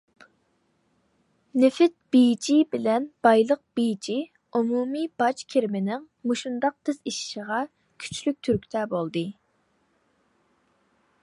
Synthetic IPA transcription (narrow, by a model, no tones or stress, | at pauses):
nɪfɪt̪̚b̥id͡ʒibɪlɛnb̥ɑjlˠəq̚b̥id͡ʒi | umumib̥ɑt͡ʃkʲʰeɾmɪnɪŋ | muʃund̪ɑq̚t̪ʰɪziʃʃəʁɑ | kʲʰy̥t͡ʃʰlyk̚ʲt̪ʰyɾkʲt̪ʰɛbolˠd̪ɨ